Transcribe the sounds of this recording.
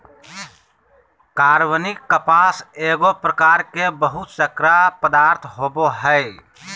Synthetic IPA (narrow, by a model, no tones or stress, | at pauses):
kaːɾwənɪkːəpaːseːɡopɾəkaːɾkebəɦʊt̪səkɾapəd̪aːɾt̪ʰɦoːboɦɛː